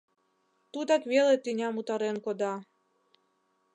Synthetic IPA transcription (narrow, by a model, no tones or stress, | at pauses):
t̪ut̪ɑkvʲelet̪ɨnʲɑmut̪ɑɾenkod̪ɑ